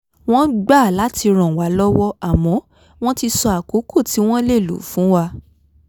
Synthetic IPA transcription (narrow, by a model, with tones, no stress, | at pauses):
w̃ɔ̃˦ɡ͡ba˦˨la˨˦ti˧ɾ̃ã˨wa˨˦lɔ˦wɔ˦a˨mɔ̃˨˦ | w̃ɔ̃˦ti˧sɔ˧a˨ko˨˦kʰo˦˨ti˨˦w̃ɔ̃˦le˦˨lṵ˨fũ˨˦wa˧